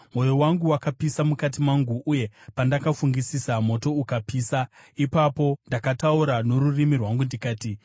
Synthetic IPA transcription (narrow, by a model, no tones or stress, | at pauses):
mo̞jowaŋɡuwakapisamukatimaŋɡuʔːje̞pandakafuŋɡisisamo̞to̞ukapiːsa | ipapo̞ndakatauɾano̞rurimirwaŋɡundikaːti